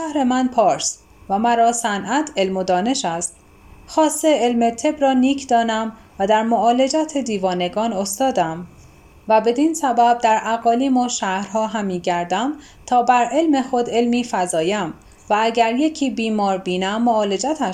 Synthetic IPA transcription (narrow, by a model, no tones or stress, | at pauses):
ʃʃæhɾe̞mænpʰɒːɾs | væmæɾɒːsænʔæt̪ʰe̞lmo̞d̪ɒːne̞ʃæst̪ | xɒːst̪eelmet̪ʰe̞bɾɒːniːkʰd̪ɒːnæm | væd̪æɾmoɒːle̞d͡ʒæt̪ʰed̪iːvɒːne̞ɡɒːno̞st̪ɒːd̪æm | væbe̞d̪insæbæb̚d̪æɾʔæɣɒːliːmɒːʃæhɾɦɒːɦæmiːɟæɾd̪æm | t̪ʰɒːbæɾe̞lme̞xo̞d̪e̞lmiːfæzɒːjæm | vææɟæɾje̞cʰiːbiːmɒːɾbiːnæmːoɒːle̞d͡ʒæt̪ʰæ